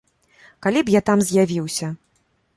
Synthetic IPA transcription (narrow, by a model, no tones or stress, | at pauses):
kalʲipjat̪amzʲjavʲiwsʲɐ